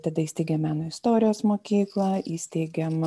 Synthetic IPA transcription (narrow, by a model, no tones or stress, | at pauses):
t̪ɐd̪ɐiːsʲt̪ʲɛɪɡʲɛmʲæːnoːɪst̪oːɾʲɪjoːsmoːkʲiːklˠɐiːsʲt̪ʲɛɪɡʲɛm